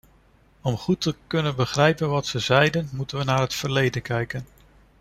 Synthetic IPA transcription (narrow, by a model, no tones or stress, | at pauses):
ɔmχutəkɵnənbəχrɛjpənʋɑtsəzɛjdənmutənʋənaːɹɦətfəɹlejdənkɛjkən